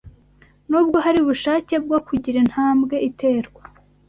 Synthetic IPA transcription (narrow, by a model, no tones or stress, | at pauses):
nuːbɡo̞ɦaɾiuβuʃaːce̞b̚ɡokuɟiɾen̥haːmbɡe̞ʔite̞ːɾɡwa